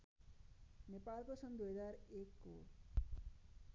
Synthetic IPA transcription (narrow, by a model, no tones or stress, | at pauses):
nepalkosʌnd̪ujɦʌd͡zarekːo̰